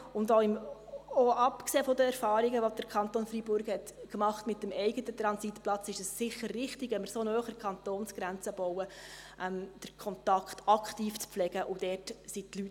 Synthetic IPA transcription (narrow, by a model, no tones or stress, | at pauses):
ʊndoɪmoɑpkseːfod̪əɛɾfɑːɾiɡəʋod̥̪əɾkʰɑnt̪onfɾibʊɾɡhɛtkmɑχtmɪtːəmɛɪɡətət̪ɾɑnsitplɑt͡sɪʃəssɪχːəɾːɪχtɪɡʋɛnmɪɾsonœːχəɾkʰɑnt̪oːnsɡ̥ɾænt͡səb̥ɔwəʔɛmd̥əɾkʰɔnt̪ɑkχtɑkχtiːft͡spflɛɡ̥əʔʊd̥ɛːrtsitlyt